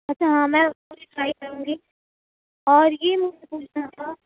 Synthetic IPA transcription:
ɐtːʃʰaɦãmɛ̃kʊt͡ʃʰʈɾaːikɐɾũːŋɡiː | ɔːɾjemʊd͡ʒepuːt͡ʃʰnat̪ʰa

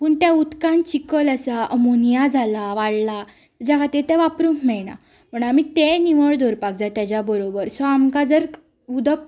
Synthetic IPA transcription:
puːɳt̪jãut̪kãnt͡ɕikələsaʔəmonijad͡zʱalaʋaɽla | d͡ʑakʰat̪it̪ẽʋapɾunmɛɭɳa̰ | pəɳamit̪eniʋəɭd̪ʱoɾpak̚d͡zat̪jad͡ʑjabəɾobəɾsɔamkad͡zəɾ | ud̪ək̚

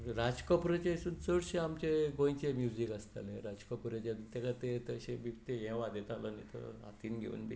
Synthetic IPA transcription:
ɾad͡ʑkəpɾet͡ɕesuːnt͡səɽɕẽamt͡ɕeɡõĩt͡ɕemjud͡ʑikəst̪a̰lẽɾad͡ʑkəpɾet͡ɕat̪ekat̪et̪əɕebikt̪eɦɛ̃ʋad̪et̪alənit̪ə̰a̰t̪iːnɡʱḛṵːnbḭ

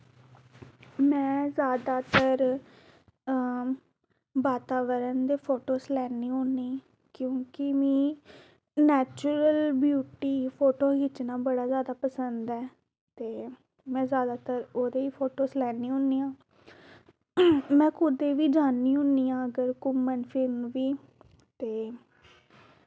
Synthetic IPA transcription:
mɛ̃ːzjaːd̪aːt̪əɾ | baːt̪aːʋəɾənd̪eːpʰoːʈoːslɛːniːɦʊ̃nːiː | kjõːkɪʋĩː | nɛːt͡ʃuɾəlbjuːʈiːpʰoːʈoːɦɪt͡ʃnãːbəɽaːzjaːd̪aːpəsənd̪ɛː | t̪eː | mɛ̃ːzjaːd̪aːt̪əɾoːd̪eːiːpʰoːʈoːslɛːniːɦʊ̃niːãː | mɛ̃ːkʊd̪eːʋiːd͡ʒaːnːiːɦʊ̃niːãːəɡəɾkʊmːənpʰɪlmʋiː | t̪eː

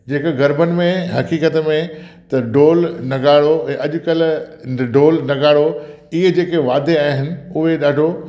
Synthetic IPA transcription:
d͡ʑeːkɡɐɾbənɪ̆mẽɦɐkiːkət̪mẽt̪ɐɖoːlnɐɡaːɽoɛ̃ːʔɐʄʊ̆kɐlɖoːlnɐɡaːɽo | ɪɦed͡ʑeːkeʋaːd̪eaːɦɪnɪ̆ʊɦeɗaːɖʱo

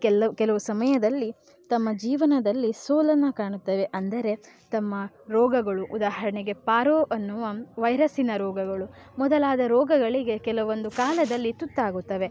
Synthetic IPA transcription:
kɛlɐkɛlɐʋusɐmɐjɐd̪ɐlːi | t̪ɐmːɐd͡ʒiːʋɐnɐd̪ɐlːisoːlɐnːɐkaːɳut̪ːɐʋe̞ʔɐnd̪ɐɾe̞ | t̪ɐmːɐ | ɾɔːɡɐɡɐɭuʔud̪aːɦɐɾɐɳeɡe̞paːɾoːʔɐnːuʋɐʋɐjɾɐsinɐɾɔːɡɐɡɐɭumɔd̪ɐlaːd̪ɐɾɔːɡɐɡɐɭiɡe̞kɛlɐʋond̪ukaːlɐd̪ɐlːit̪ut̪ːaːɡut̪ːɐʋe

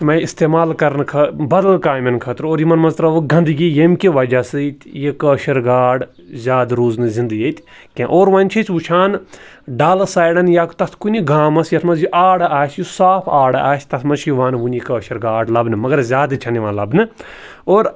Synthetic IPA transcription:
mɐ̃ist̪eːmaːlkɐɾnkʰɐbɐd̪ɐlkaːmɐnkʰɐːt̪ɾoːɾjimɐnmɐnzt̪ɾɐʋoɡɐ̃nd̪ɨɡijemkʲiʋɐd͡ʒasɨt̪ʲjekəːʃɐɾɡaːɖ | zʲaːd̪ɾuːznɨzĩnd̪ɨɡjet̪ʲ | kʲẽʔoːɾʋãːnʲt͡ʃʰet͡ʃʋut͡ʃʰaːn | ɖaːlɐsaːjɽɐnjaːkt̪ɐskuniɡaːmɐsjɐt̪ʰmɐnzjiʔaːɽaaːt͡ʃjusaːpʰaːɽaaːʃt̪ɐsʰmɐt͡ʃʰiʋaːnʋunikɐːʃɐɾɡaːɖlɐbnɨmɐɡɐɾzʲaːd̪ɨt͡ʃʰɐniʋãːnlɐbnɨ | oːɾ

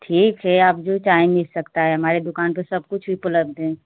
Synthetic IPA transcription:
ʈʰiːkɦɛaːpd͡ʒot͡ʃaːɪ̃mɪlsɐkt̪aɦɛɦɐmaːɾed̪ʊkaːnpəsɐb̚kʊt͡ʃʰbʱipələb̚d̪ẽː

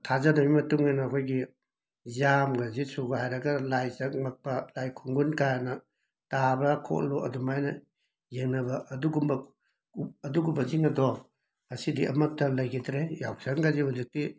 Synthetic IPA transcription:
tʰazɐnɐmimɐtuŋijnɐːkʰojɡi | zamɡazisuɡahajɾɐɡɐlajzɐŋmak̚pɐlajkʰuŋɡunkajanɐ | tabɐkʰo̰ʔluɐ̰dumajnɐ | jeŋnɐbɐʔɐduɡumbɐ | ɐduɡumbɐziŋɐdɔ | ɐsidiʔɐ̰mɐk̚tɐlɐjkʰitɾeja̰wksaŋɡazihuzik̚ti

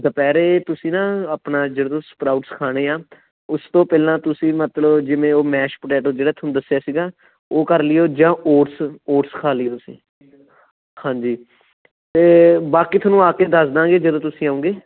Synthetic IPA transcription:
dəpɛːɾeːt̪ʊsĩːnãːəpɳaːd͡ʒeːɽãːt̪ospɾaːʊʈskʰaːɽeːaː | ʊst̪õːpɛːlãːt̪ʊsĩːmət̪ləbd͡ʒɪʋẽːoːmɛːʃpəʈɛːʈod͡ʒeːɽaːt̪ʰːnũːd̪əsjaːsiːɡaː | oːkəɾlɪjoːd͡ʒãːoːʈsoːʈskʰaːlɪjoːsḭ̃ː | hãːɲd͡ʒiː | t̪eːbaːkiːt̪ʰoːnũːaːkeːd̪əsd̪ãːŋɡeːd͡ʒəd̪õːt̪ʊsĩːaːõːɡeː

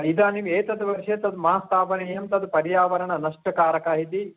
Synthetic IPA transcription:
id̪aːniʋeːt̪ɐd̪ɐʋɐɾʂeːt̪ɐd̪umɐast̪ʰaːpɐnejɐmt̪ɐd̪pɐɾjaːʋɐɾɐɳɐnɐʂʈɐkaːɾɐkaːɦit̪i

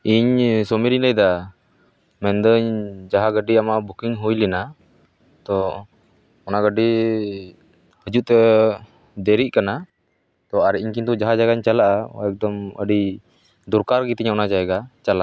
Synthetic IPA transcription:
iɲsɔmiɾinəjd̪a | mɛnd̪əɲd͡ʒaɦaɡəɖiamabukiŋɦujlina | t̪ɔ | ɔnaɡəɖi | həd͡ʒuʔt̪ɛ | d̪ɛɾiʔkana | t̪ɔaɾɛʔiɲkint̪ud͡ʒaɦad͡ʒaɡaɲt͡ʃalaʔa̰ɛk̚d̪ɔmə̰ɖi | d̪uɾkaɾɡit̪ɛɲaɔnad͡ʒajɛɡat͡ʃalaʔ

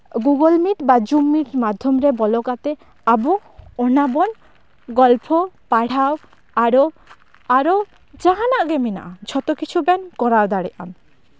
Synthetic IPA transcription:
ɡuɡɔlmiʈbad͡ʒumːiʈmad̪ʱjɔmɾɛbɔlɔkat̪ɛ | abɔ | ɔnabɔn | ɡɔlpʰɔpaɽ̤aw | aɾɔ | aɾo | d͡ʒaɦanaʔɡemina̰ʔad͡ʒʰʱɔt̪ɔkit͡ʃʰubɛnkɔɾaɾd̪aɽɛʔa̰n

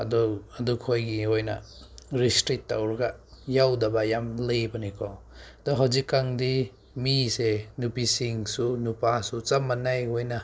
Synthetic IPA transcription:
ɐ̰dɔɐdukʰojɡiojna̰ | ɾistɾitːawɾɡajawdɐbajamlebɐnikʰɔ | d̪ɔɦawzikːaŋdi | misenupisiŋsunupasut͡sɐmːanajojna

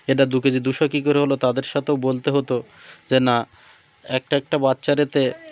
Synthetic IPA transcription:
eʈad̪uked͡ʑed̪uʃokikoɾeɦolot̪ad̪eɾʃat̪ʰeobolt̪eɦot̪o | d͡ʑena | ɛk̚ʈaɛk̚ʈabatːɕaɾet̪e

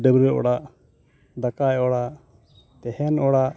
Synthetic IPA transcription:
ɖəbɾəʔɔ̰ɽaʔ | d̪akajɛɔɽaʔ | t̪ɛhɛnɔɽaʔ

